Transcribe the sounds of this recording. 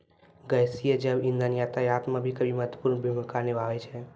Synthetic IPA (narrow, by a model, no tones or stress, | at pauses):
ɡəjsijəd͡ʒəbĩnd̪ənjat̪ajat̪mabʱikəbʱimət̪əpuɾnbʱimkanebaʋɛt͡ʃʰɛ